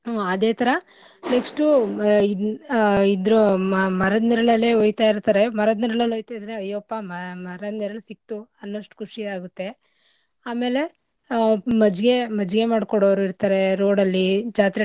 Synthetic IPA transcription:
oɐd̪eːt̪ʰɐɾɐ | neksʈui | id̪ɾumɐɾɐd̪niɾɐɭɐlːeːoːjt̪aːjiɾt̪aːɾe̞mɐɾɐd̪niɾɐɭɐlojt̪aːjd̪ɾeɐjːopːɐmɐmɐɾɐniɾɐlsik̚t̪uɐnːoʂʈu̥kʰuʂiaːɡut̪ːe̞ | aːme̞ːle̞ | mɐd͡ʒɡe̞mɐd͡ʒɡe̞maːɖkɔɽoːʋɐɾuiɾt̪aːɾe̞ɾo̞ːɽɐlːid͡ʒaːt̪ɾɐ

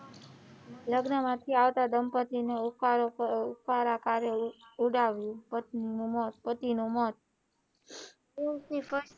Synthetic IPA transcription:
ləɡnəmãt̪ʰiaʋt̪ad̪əmpət̪ineaɾoupaɾakaɾeuɽaʋjũpət̪ninũmɔt̪̚pət̪inũmɔt̪̚ | unifʰəʃ

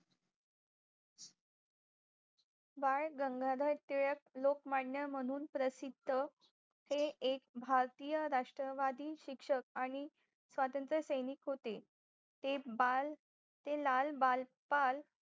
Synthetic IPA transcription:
ʋaɭɡəŋɡʱaɾəjt̪iɭək̚lokmaɽɳjəm̤əɽ̃uːnpɾəsid̪ʱə | heekbʱaɾt̪ijəɾaʂʈɾəʋad̪iːɕikʂək̚aɽ̃i | sʋat̪ənt̪ɾəsəjnikɦot̪e | t̪ea | t̪elalbal | pal

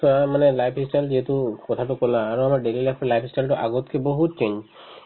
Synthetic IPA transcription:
amanelajpʰɦisʈald͡ʒeɦet̪ukɔt̪ʰatokollãaɾõamaɾɖelilapʰlajpʰɦisʈalʈoʔa̰ɡot̪keboɦut̪̚t͡ʃeɲd͡ʒ

